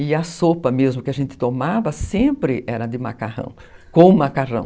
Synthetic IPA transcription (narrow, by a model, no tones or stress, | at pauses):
ɪɐsopɐmezmʊkɪaʒẽnt̪ɪ̥t̪omavɐsẽpɾɪʔɛɾɐd̪ɪma̰kahɐ̰̃w̃ | kõmakaʁɐ̰̃w̃